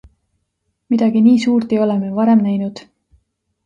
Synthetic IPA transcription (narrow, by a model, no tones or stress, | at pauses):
mid̪̥ɑɡ̥iniːsuːrt̪ejo̞lemevɑɾe̞mnæjnud̪̥